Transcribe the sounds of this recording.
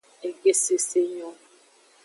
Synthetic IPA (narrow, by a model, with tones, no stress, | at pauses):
e˨ɡe˦se˦se˦ɲɔ˦